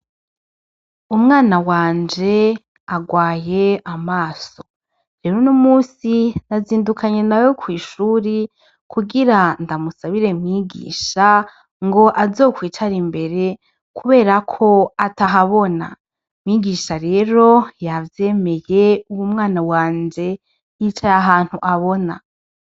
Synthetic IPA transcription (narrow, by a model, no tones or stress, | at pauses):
umŋaːnawaːnd͡ʒe̞ | aɡwaːje̞amaːso̞̥ | ɾe̞ːɾonomuːsinaziːndukaɲe̞najo̞kwiːʃuːɾi | kʰuɡiɾandamusaβiɾe̞mŋiɡḭːʃa | ŋɡo̞ʔazo̞ːkwiːt͡ʃaɾimbe̞ɾe̞ | kuβe̞ːɾakʰo̞ataɦaβo̞na̰ | mŋiɡiʃaɾe̞ːɾo̞javje̞ːme̞je̞uwumŋaːnawaːɲd͡ʒe̞ | it͡ʃajaɦaːn̥huʔaβo̞na